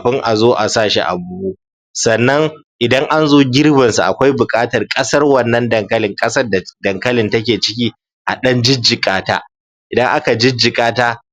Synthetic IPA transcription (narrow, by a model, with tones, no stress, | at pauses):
ɸɪ˦ŋʔa˨zoː˦ʔa˨saː˦˨ʃḭ˦ʔa̰˨buː˦buː˦ | sɐ˨nːɐ˦ŋʔɪ˨dɐ˦ŋʔa˦nzoː˦ɡʲɪ˦rbɐ˨nsu˨ʔa̰˨kʷa˦jbʊ˨kʼaː˦tɐ˨rkʼɐ˦sɐ˦rwɐ˦˨nːɐ˦ndɐ˨ŋkɐ˦lɪ˨ŋkʼɐ˦sɐ˦rda˨dɐ˨ŋkɐ˦lɪ˨ntɐ˦kʲeː˨t͡ʃɪ˦k̬ʲiː˦ | ʔa˨ɗɐ˦nd͡ʒɪ˦d͡ʒɪ˨kʼaː˦ta̰ː˦ | ʔɪ˨dɐ˦ŋʔa˦ka˨d͡ʒɪ˦d͡ʒɪ˨kʼaː˦taː˦